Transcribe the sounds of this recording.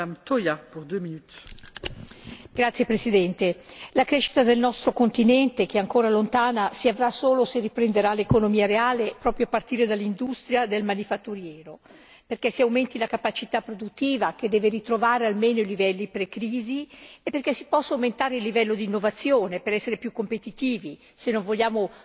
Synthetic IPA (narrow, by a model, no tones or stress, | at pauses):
amt̪ojapuʁd̪uøminyt̪ | ɡ̥ɾat̪sjepɾesid̪ɛnt̪elakɾeʃi̥t̪ad̪elnɔst̪ɾokont̪inɛnt̪ek̟eaŋkoːɾalont̪aːnasiavɾasoːloserːipɾend̪eɾalekonomiːaɾeaːlepɾɔːpɾjoapart̪iːɾed̪alːind̪ust̪ɾjad̪elmanifat̪ːuɾjɛːɾo | perkɛsiawmɛnt̪ilakapat͡ʃit̪apːɾod̪ut̪ːiːvak̟ed̪ːɛːveɾit̪ɾovaːɾealmeːnoilivɛlːipɾekɾiːziepːerkɛsi̥pɔsːawment̪aːɾeilːivɛlːod̪iːnːovat̪sːjoːnepeɾɛsːeɾepjukːompet̪it̪iːvi | senːoɱvoʎːaːmo